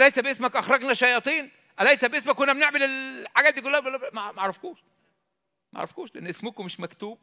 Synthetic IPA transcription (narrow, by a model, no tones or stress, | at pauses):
læjsæbʔesmækʔɑxɾˤɑɡnæʃɑjɑːt̪ˤiːn | ʔælæjsæbʔesmækːonːæmeneʕmelelħaɡæːt̪d̪ikolːælːæmæmæʔʕɾˤɑfkuːʃ | mæʕ̰ɾɑfkuːʃleʔenːʔesmokomeʃmækt̪uːb̚